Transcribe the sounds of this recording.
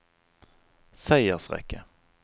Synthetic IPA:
sæɪəʁsʁɛ̰kʰːə

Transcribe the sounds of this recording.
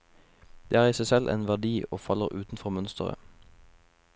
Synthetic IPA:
d̪̥eːæːʁiːsæɪsɛlʔḛːnʋæʁd̪iːoːfɑləʁʉːt̪n̩fɔʁmœnst̪əʁə̰

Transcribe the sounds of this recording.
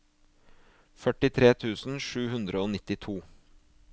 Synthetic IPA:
fœʈɪt̪ʰɾeːt̪ʰʉːsn̩ʃʉːhʉnd̪ɾəoːnɪt̪ɪt̪ʰuː

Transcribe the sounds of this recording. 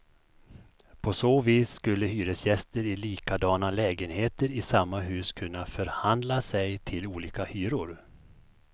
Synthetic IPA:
pʰɔsoːviːsːkɵlːəɦyːɾəsjɛst̪əɾɪliːkad̪ɑːnalɛːɡənheːt̪əɾɪsamːaɦʉ̟ːskʰɵnːafœɾhand̪lasɛjt̪ʰɪluːliːkahyːɾʊɾ

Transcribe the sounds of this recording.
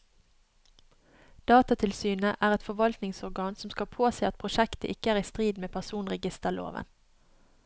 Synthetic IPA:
d̪̥ɑːt̪ɑt̪ʰɪlsyːnəʔæːʁɛt̪fɔʋɑlt̪nɪŋsɔʁɡɑːnsɔm̩skɑpʰoːseːɑt̪̚pʰʁʊʃɛkt̪ə̰ʔɪkəæːʁiːst̪ʁiːd̪meːpʰæʁsuːnʁɛɡɪst̪əʁlo̰ːʋə̰n

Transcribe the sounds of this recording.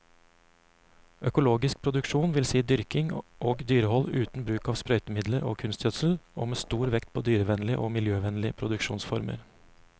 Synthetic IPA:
ʔœkʊloːɡɪsk̚pʰɾʊd̪ʉkʃuːnʋɪlsiːd̪ʏɾkɪŋʔoːɡd̪yːɾəhɔlʉːt̪n̩bɾʉːkɑːʋspɾœʏt̪əmɪd̪ləɾʔo̰ːkʰʉnst̪jœt̪sl̩o̰ːmeːst̪uːɾʋɛkt̪̚pʰoːd̪yːɾəʋɛnlɪəʔoːmɪljøːʋɛnlɪəpʰɾʊd̪ʉkʃuːnsfɔɾmə̰ɾ

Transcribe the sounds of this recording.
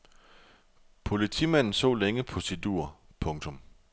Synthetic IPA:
pʰo̝lit͡sʰḭmæn̰n̩so̰ːleŋəpʰosid̥ṵːɐpʰɔ̽ŋt͡sʰɔ̽m

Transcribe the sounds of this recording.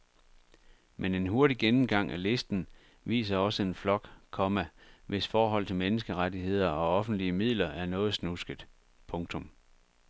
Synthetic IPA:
mʔene̝nɦo̝ɐɾiɡ̥enm̩ɡ̥ɑ̈ŋ̰ʔæle̝sd̥n̩ | ʋḭːs̬ɐɒ̽səe̝nflɒ̽ɡ̥kʰɒ̽mæʋʔe̝sfɒːɦɒ̽l̰t͡sʰe̝menəsɡ̥əʁadihe̝ð̞̰ˠɐɒ̽ɒ̽fn̩d̥liəmið̰ˠlɐʔæɐnɔ̽ːð̞̩ˠsnusɡ̥əð̩ˠ | pʰɔ̽ŋt͡sʰɔ̽m

